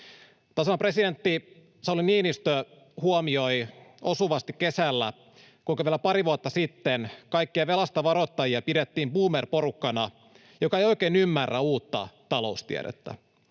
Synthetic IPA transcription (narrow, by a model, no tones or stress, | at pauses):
t̪ɑsonɑpre̞side̞nt̪ːi | sɑoliniːnist̪ø | huomio̞jo̞suʋɑst̪ikkːe̞sælːæ̰ | kuŋkɑʋielæpɑɾiʋuot̪ːɑsit̪ːenkɑjkːiɑʋe̞lɑst̪ɑʋɑɾot̪ːɑjiɑpidet̪ːiːmpuːmerpo̞rukːɑnɑ | jo̞kɑejoik̟eːnymːærːæuːt̪ːɑ̰t̪ɑlo̞̰ust̪ḭæ̰ɾḛt̪ːæ̰